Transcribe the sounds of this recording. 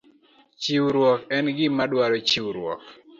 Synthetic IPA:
t͡ʃiwɾwɔkɛnɡɪmadwaɾɔt͡ʃiwɾwɔ̰k

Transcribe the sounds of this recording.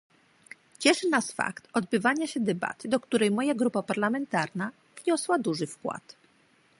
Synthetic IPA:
t͡ɕɛʂɘnasfa̰kt̪ɔd̪bɘvaɲaɕɛd̪ɛba̰t̪ɘd̪ɔkt̪uɾɛjmɔjaɡɾupapaɾlamɛnt̪aɾna | v̥ɲɔswad̪uʐɘfkwa̰t̪

